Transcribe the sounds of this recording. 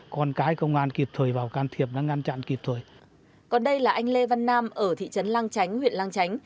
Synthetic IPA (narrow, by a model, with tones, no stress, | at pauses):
kɔ˧nkaː˨˦jkə˧wŋ͡mʔaː˧nki˨˩p̚t̪ʰəː˨˩jvaː˨˩wkaː˧nt̪ʰi˨˩əp̚ɗaː˧˥ŋa˧nt͡ɕa̰˧˨nki˨˩p̚t̪ʰəː˨˩j | kɔ˨˩nɗə˧jlaː˨˩ʔa˧jŋ̟le˧va˧nːaː˧mʔəː˧˩t̪ʰḭ˧˨t͡ɕə˨˦nlaː˧ŋt͡ɕa˨˦jŋ̟hwḭ˧˨ənlaː˧ŋt͡ɕa˨˦jŋ̟